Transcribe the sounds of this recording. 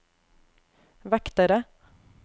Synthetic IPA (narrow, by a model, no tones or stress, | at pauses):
ʋɛkt̪əɾə